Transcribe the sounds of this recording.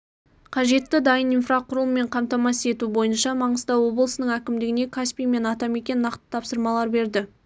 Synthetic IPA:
qʰɑʒe̞t̪ːɪd̪ɑjəninfraqʊɾˠəmːe̞ɴqʰɑmt̪ɑmɑse̞t̪ubo̞jənʃɑmɑɴəzt̪ɑwo̞blˠəsənəɴækʲɪmd̪ɪɡʲɪne̞kʰaspʲijme̞nɑt̪ɑme̞kʲe̞nnɑqt̪ə̥t̪ʰɑpsəɾmɑlˠɑɾbe̞ɾd̪ɪ

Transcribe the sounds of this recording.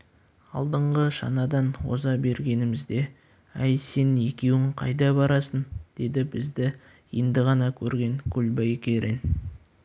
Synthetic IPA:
ɑ̰lˠd̪əɴʁəʃɑ̰nɑd̪ɑnwo̞̰zɑbe̞ɾɡʲe̞nɪmɪzd̪e̞ | æjse̞ne̞kʲe̞wɪŋqʰɑ̰jd̪ɑbɑɾɑsənd̪̥e̞d̪ɪbɪzd̪ɪ | je̞nd̪ɪʁɑnɑkʲʰɵɾɡʲe̞ŋkʲʰʊlbɑjkʲeɾen

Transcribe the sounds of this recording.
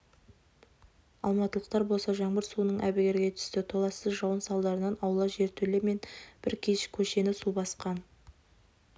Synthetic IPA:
ɑ̰lˠmɑt̪əlˠəqt̪ɑɾbo̞lˠsɑʒɑɴbəɾsuənəɴʔæ̰bɪɡʲe̞ɾɡʲe̞t̪ʰʏ̥st̪ɪt̪ʰo̞lˠɑsəzʒɑwənsɑlˠd̪ɑɾənɑnɑwlˠɑʒe̞ɾt̪ʰɵleɾme̞nb̥ɪɾkʲʰeʃkʲʰɵʃe̞nɪsubɑsqɑn

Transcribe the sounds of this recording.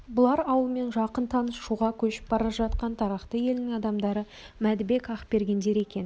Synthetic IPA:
bʊlˠɑɾɑwəlˠme̞nʒɑqənt̪ʰɑnəsʃuʁɑkʲʰɵʃɪ̥p̚bɑɾɑʒɑt̪qɑnt̪ʰɑɾɑqt̪əje̞lɪnɪŋɑd̪ɑmd̪ɑɾə | mæd̪ɪbe̞kɑχbe̞ɾɡʲe̞nd̪e̞ɾe̞kʲe̞n

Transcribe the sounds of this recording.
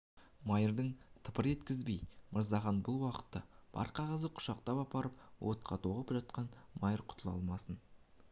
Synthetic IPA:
mɑjəɾd̪əɴt̪ʰəpəɾe̞t̪kʲɪzbejməɾzɑχɑnbʊlˠwɑqə̥t̪ːɑb̥ɑ̰ɾqʰɑʁɑzəqʰʊ̥ʃɑq̚t̪ɑpɑpɑɾəp̚wʔo̞t̪̚qʰɑt̪ʰoʁəpʒɑt̪̚qɑnmɑjəɾqʰʊ̥t̪ʰəlˠɑ̰lˠmɑsən

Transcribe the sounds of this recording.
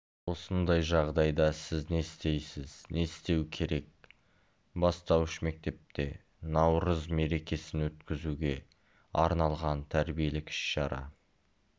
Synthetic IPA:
wo̞sənd̪ɑjʒɑʁd̪ɑjd̪ɑsɪzne̞st̪e̞jsɪz̥ne̞st̪e̞wkʲʰe̞ɾe̞k̚ | bɑst̪ɑwɪʃme̞k̚t̪e̞p̚t̪e̞ | nɑwɾəzme̞ɾe̞kʲe̞sɪnwɵt̪kʲɪzuɡʲe̞ | ɑɾnɑlˠʁɑnt̪ʰæɾbije̞lɪkʲʰɪ̥ʃʃɑɾɑ̰

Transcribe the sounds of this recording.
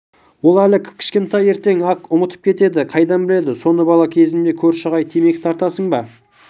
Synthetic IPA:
wo̞lˠælɪkʲʰkʲʰɪ̥ʃkʲe̞nt̪ɑje̞ɾt̪e̞ŋɑkʊmət̪əpkʲʰe̞t̪e̞d̪ɪqʰɑjd̪ɑnbɪle̞d̪ɪso̞nəbɑlˠɑkʲʰe̞zɪmd̪e̞kʲʰɵɾʃəʁɑjt̪ʰeme̞kʲt̪ʰɑɾt̪ɑsəɴbɑ

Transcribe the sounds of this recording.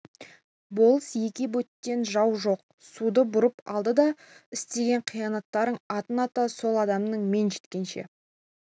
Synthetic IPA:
bo̞lˠsje̞kʲebɵt̪ːe̞nʒɑwʒo̞q̚ | sud̪əbʊɾəpɑ̰lˠd̪əd̪ɑ | ɪst̪e̞ɡʲe̞ɴqʰijɑnɑt̪ːɑɾəɴɑt̪ənɑt̪ɑso̞lˠɑd̪ɑmnəɴme̞nʒe̞t̪kʲe̞nʃe̞̰

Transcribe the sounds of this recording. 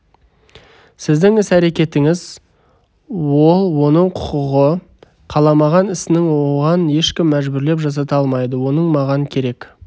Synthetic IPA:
sɪzd̪ɪŋɪsæɾe̞kʲe̞t̪ɪŋɪz | wo̞lˠwo̞nəɴqʰʊ̥qʊʁə | qʰɑlˠɑmɑʁɑnɪsɪnɪŋwoʁɑnje̞ʃkʲɪmːæʒbʏɾle̞pʒɑs̬ɑt̪ɑlˠmɑjd̪əwo̞nəɴmɑʁɑnəkʲʰe̞ɾe̞k

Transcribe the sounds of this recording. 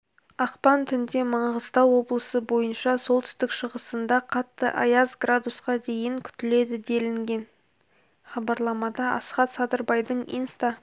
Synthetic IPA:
ɑqpɑnt̪ʰʏnd̪e̞mɑɴʁəzt̪ɑwːo̞blˠəsəbo̞jənʃɑso̞lˠt̪ʰʏ̥st̪ɪkʃəʁəsənd̪ɑqʰɑt̪ːəʔɑjɑzɡrad̪usqɑd̪e̞jɪŋkʲʰʏ̥t̪ɪle̞d̪ɪd̪e̞lɪŋɡʲe̞n | χɑbɑɾlˠɑmɑd̪ɑɑ̰sχɑt̪sɑd̪əɾbɑjd̪əɴijnst̪ɑ

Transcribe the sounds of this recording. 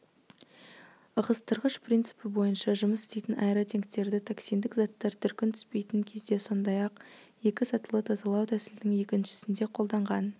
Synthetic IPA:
əʁəst̪ʰəɾʁəʃpʰrint̪sɨ̥pɪbo̞jənʃɑʒʊməse̥st̪ejt̪ɪnʔɑjɾɑt̪ʰe̞ŋkt̪e̞ɾd̪ɪt̪ʰaksijnd̪ɪkzɑt̪ːɑɾt̪ʰʏɾkʲɪnt̪ʰʏ̥spe̞jt̪ɪŋkʲʰe̞zd̪e̞so̞nd̪ɑjɑq | je̞kʲɪsɑt̪əlˠət̪ʰɑzɑlˠɑwt̪ʰæsɪld̪ɪŋje̞kʲɪnʃɪ̥sɪnd̪e̞qʰo̞lˠd̪ɑɴʁɑn

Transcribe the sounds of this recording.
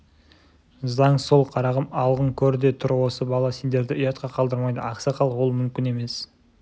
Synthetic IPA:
zɑɴso̞lˠqʰɑɾɑʁəmɑlˠʁəŋkʲʰɵɾd̪e̞t̪ʰʊɾwo̞səbɑlˠɑse̞nd̪e̞ɾd̪ɪʏjɑt̪̚qɑqʰɑlˠd̪əɾmɑjd̪əɑqsɑqʰɑlˠwo̞lˠmʏmkʲɪne̞me̞s

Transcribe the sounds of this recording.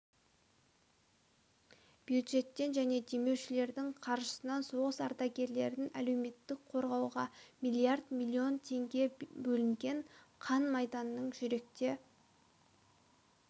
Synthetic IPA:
b̥jud̪ʒe̞t̪ːe̞nʒæne̞d̪e̞me̞wʃɪle̞ɾd̪ɪɴqʰɑɾʒəsənɑnso̞ʁəsɑɾt̪ɑɡʲe̞ɾle̞ɾɪŋæle̞wme̞t̪ːɪk̚qʰo̞ɾʁɑwʁɑmijlʲˠiaɾd̪mʲilʲːio̞nt̪ʰe̞ŋɡʲe̞bɵlɪŋɡʲe̞ɴqʰɑnmɑjd̪ɑnːəɴʒʏɾe̞k̚t̪e̞

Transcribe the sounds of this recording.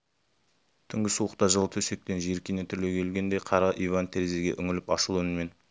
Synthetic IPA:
t̪ʰʏŋɡʲɪsuəqt̪ɑʒəlˠt̪ʰɵse̞k̚t̪enʒeɾkʲijnet̪ʰʏɾle̞kʲʰe̞lɡʲe̞nd̪e̞jqʰɑɾɑʔivant̪ʰeɾezeɡʲe̞̰ʔʏŋɪlɪpɑʃəlˠʏnɪme̞n

